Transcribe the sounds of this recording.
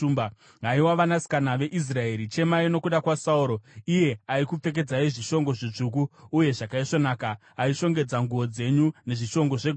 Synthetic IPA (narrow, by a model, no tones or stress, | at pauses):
umb | ɦaiwaʋanasi̥kanaʋe̞ʔis̬rae̞ːɾit͡ʃe̞maino̞kuɗakwasauɾo̞ije̞aikup͡fe̞k̬e̞d͡zaiʐiʃo̞ŋɡo̞ʐit͡ʂuk̬uːje̞ʐakaiʂo̞naːkaː | iʃo̞ŋɡe̞d͡zaŋɡuo̞d͡ze̞ɲune̞ʐiʃo̞ŋɡo̞ʐe̞